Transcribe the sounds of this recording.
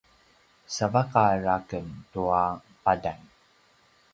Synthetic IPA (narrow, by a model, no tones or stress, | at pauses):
savakaɾakəntuapadan